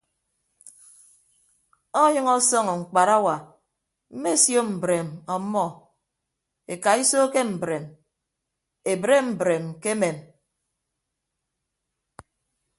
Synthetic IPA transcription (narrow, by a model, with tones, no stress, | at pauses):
ɔ˦ɲɨ˦ŋɔ˦sɔ˦ŋɔ˨ŋ͡m̩˨k͡pa˨ɾa˦wa˨ | m̩˦me˦sjo˦m̩˨bɾe˨mɔ˨˦mːɔ˦˨ | e˨ka˨i˦so˦ke˦m̩˨bɾe˨m | e˨bɾe˦m̩˨bɾe˨mke˦me˨m